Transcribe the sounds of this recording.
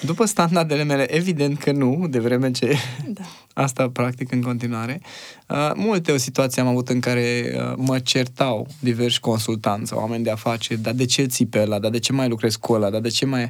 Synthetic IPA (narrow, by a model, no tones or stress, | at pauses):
d̪upəst̪and̪ard̪e̞le̞me̞le̞ʔevid̪e̞nt̪kʰənud̪e̞vɾe̞me̞t͡ʃe̞ | a̰st̪apɾak̚t̪ikɨŋko̞nt̪̬inuaɾe̞ə̰mult̪eo̞sit̪uat̪sijeamavut̪ɨŋkaɾe̞ə̰mət͡ʃe̞rt̪awd̪iverʃʲko̞nsult̪ant̪sʲa̰w̰a̰me̞nʲd̪eafat͡ʃe̞rʲd̪ad̪e̞t͡ʃe̞lt̪sipeəlad̪ad̪e̞t͡ʃe̞majlukɾe̞skuəlad̪ad̪e̞t͡ʃe̞maj